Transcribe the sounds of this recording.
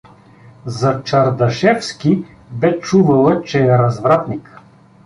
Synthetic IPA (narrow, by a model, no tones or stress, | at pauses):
zɐt͡ʃɐɾd̪ɐʃɛfskʲi | bɛt͡ʃuvɐlˠət͡ʃɛɛɾɐzvɾat̪nik